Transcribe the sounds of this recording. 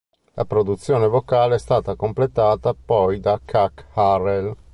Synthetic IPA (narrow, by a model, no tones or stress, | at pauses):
lʔa̰pɾod̪ut̪sːjoːnevokaːleɛst̪aːt̪akomplet̪aːt̪apɔjd̪akʰːakharel